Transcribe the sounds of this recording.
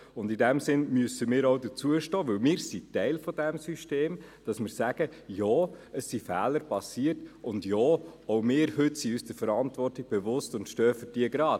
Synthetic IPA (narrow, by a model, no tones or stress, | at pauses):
ʊndɪdæmsɪnmyəsəmɪːɾoʊdət͡suəʃtɔːʋɵwmɪːɾsitɛɪlfɔdæmsyʃteːmd̥ɑsmɪːɾsæɡ̥əjɔːəsːifæːləɾpɑsiərtʊndjɔːoʊmɪːɾhʏtsiyːsd̥əɾfəɾɑntʋɔrtiɡ̚b̥ɛvʊstʊntʃtœːfəd̥iəɡɾɑːt